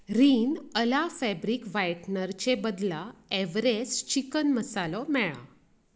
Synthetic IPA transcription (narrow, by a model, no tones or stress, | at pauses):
ɾiːnəlafɛbɾiːkʋajʈnəɾt͡ɕebəd̪laeʋɾest͡ɕikənməsalɔmɛɭa̰